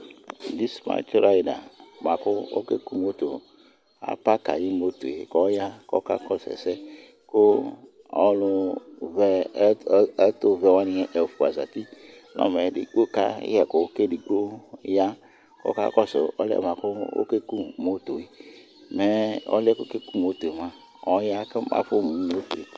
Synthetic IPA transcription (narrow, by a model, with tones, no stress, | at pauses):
di˦sma̰˨t͡ʃɾa˦i˨da̰˨ma˨ku˦o̰˦ke˦ku˦mo˦to˨ | a̰˦pa˦ka̰˨ji˦mo˦to˨e˨kɔ˦ja˦kɔ̰˦ka̰˦kɔ˦sɛ̰˨sɛ˦ | ko˦ | ɔ˨lu˧vɛ˨˦ | to˦vɛ˧˨wa˦ni˨˦ɛ˨ʔɛ˨fu˨a˨za̰˨ti˦ | nɔ̰˦˨mɛ˨dḭ˦k͡po˦ka̰˦jɛ˨ko˨˦ke˦di˨ɡ͡bo˦ja˦ | kɔ̰˦ka̰˦kɔ˦sɛ˨ɔ̰˦lɛ̰˦˨ma˨ko˦o̰˦ke˦ku˦mo˦to˨i˨ | mɛ˦ɔ̰˦lɛ˦ko˦ke˦ku˦˨m˨o˦to˨e˨ma˨ | ɔ˨˦ja˦kɛ˦mʔa̰˦fo˦˨mu˨i˦mo˦to̰˨e˨